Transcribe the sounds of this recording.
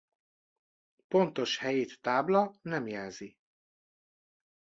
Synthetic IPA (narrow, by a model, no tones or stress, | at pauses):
po̞nt̪o̞ʃhɛjeːt̪ːaːblɒnɛmjɛːzi